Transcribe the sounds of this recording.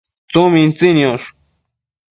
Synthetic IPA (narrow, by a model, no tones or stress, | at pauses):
t͡somĩnt͡sinjoʂ